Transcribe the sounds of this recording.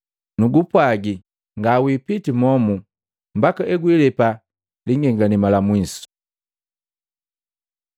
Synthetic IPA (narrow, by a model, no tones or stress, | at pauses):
nuɡupwaɡi | ŋɡawipitimɔmu | m̩bakaʔɛɡwilɛpa | liŋɡɛŋɡanimalamwisu̥